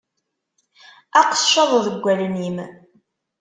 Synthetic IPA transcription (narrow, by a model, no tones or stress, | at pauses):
æqə̥ʃːɑðˤðəɡʷːælənim